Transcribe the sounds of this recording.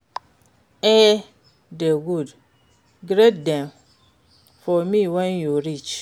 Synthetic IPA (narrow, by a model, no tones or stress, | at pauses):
e | deɡud | ɡɾet̚dɛ̃m | fɔmiwɛnjuɾit͡ʃ